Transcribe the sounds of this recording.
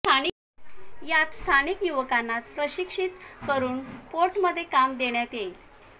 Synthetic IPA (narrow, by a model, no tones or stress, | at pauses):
t̪ʰani | jat̪st̪ʰanikjuʋəkanːat͡spɾəɕikʂit̪kəɾuːnpoɾʈməd̪ʱːjekamd̪eɳjat̪ejl